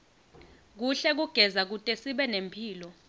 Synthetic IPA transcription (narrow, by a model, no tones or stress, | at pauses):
k̬uɬɛk̬uɡ̥ʱɛzak̬utʼɛsiɓɛnempʰiːlɔ